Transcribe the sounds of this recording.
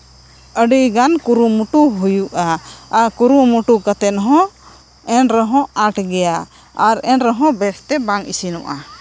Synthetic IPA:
əɖiɡankuɾumuʈuɦujuʔaːkuɾumuʈukat̪ɛnɦɔ̃ | ɛnɾəɦɔ̃aʈʰɡɛja | aɾɛnɾəɦɔ̃bɛsʰt̪ɛbaŋisinɔʔa

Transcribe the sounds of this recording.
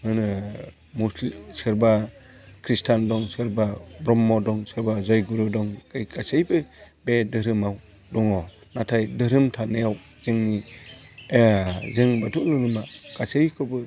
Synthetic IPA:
mɯnɯ | muslsɯɾba | kʰɾistʰandɔŋsɯɾbabɾɔmːɔdɔŋsɯɾbazɔjɡuɾɯdɔŋɡɯjɡasejbɯ | bedɯɾɯmaw | dɔŋɔ | natʰajdɯɾɯmtʰanejaw | z̥ɯŋni | zɯŋbatʰuʔlɯnɯmaɡ̥asejkʰɯbɯ

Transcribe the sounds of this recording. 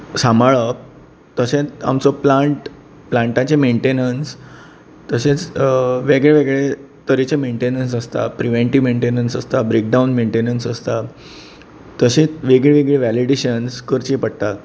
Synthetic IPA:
samaɭəp̚ | t̪əɕẽa̰mt͡soplãɳʈ | plãɳʈãt͡ɕemeɳʈenəns | t̪əɕẽt͡sʋeɡɭeʋeɡɭe | t̪əɾit͡ɕemeɳʈenəns̬əst̪a̰pɾiʋeɳʈimeɳʈenənsəst̪abɾek̚ɖawnmeɳʈenənsəst̪a | t̪əɕẽʋeɡɭeʋeɡɭeʋæliɖeɕənskəɾt͡ɕĩpəɽt̪at̪

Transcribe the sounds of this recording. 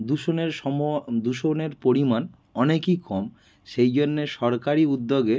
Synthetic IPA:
d̪uʃoneɾʃɔmod̪uʃoneɾpoɾiman | ɔnekikʰɔm | ʃejd͡ʑonːeʃɔɾkaɾiud̪ːoɡe

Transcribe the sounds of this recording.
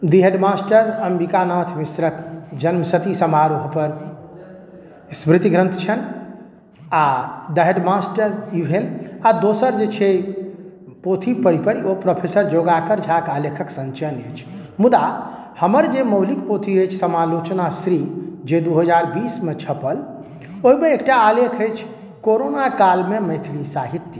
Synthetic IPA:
d̪iɦəɖmasʈəɾəmbikanət̪ʰmisɾəkd͡ʒənməsət̪isəmaɾuɦpəɾ | smɾit̪iɡɾə̃nt̪ʰt͡ʃʰən | ad̪əɦeɖmasʈəɾuɦelad̪osəɾd͡ʒet͡ʃʰe | pot̪ʰipəɽipəɽiopɾəpʰesəɾd͡ʒoɡakəɾd͡ʒʱakalekʰəksə̃nt͡ʃənəjt͡ʃʰmud̪ahəməɾd͡ʒeməʊlikpot̪ʰiəjt͡ʃʰsəmalot͡ʃnasɾid͡ʒed̪uɦəd͡ʒaɾbismet͡ʃʰəpəl | oɦimeːkʈaːlekʰəjt͡ʃʰ | koɾonakalmeməjt̪ʰlisaɦit̪jə

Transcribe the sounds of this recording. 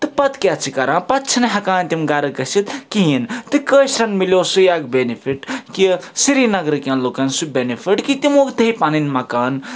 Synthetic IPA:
t̪ɨpɐt̪kʲjat͡ʃʰikɐɾãːpɐt̪̚t͡ʃʰinɐɦɐkaːnt̪imɡaɾɐkɐsit̪kiɦint̪ɨkəsɾɐnmiljosujaɡbenipʰiʈkisiɾinɐɡɾɨkãnlokɐnsubenipʰiʈkit̪imoːkd̪ʱɐjpaninmɐkaːn

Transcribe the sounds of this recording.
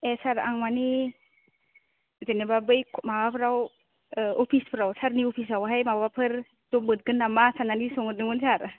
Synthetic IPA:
esaɾaŋmani | zenebabɯjkʰmabapʰɯɾaw | ɔpʰispʰɯɾawsaɾniɔpʰis̬awɦajmababapʰɯɾ | zɔbɯt̚ɡɯnamasananisɔŋɯdɯŋɯnsaɾ

